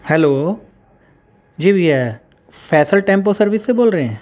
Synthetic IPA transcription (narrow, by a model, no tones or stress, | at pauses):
hɛloː | d͡ʒiːbʱiɛ | pʰɛːsəlʈẽːmp̬osɐɾʋɪsːeboːlɾəeɦɛ̃ː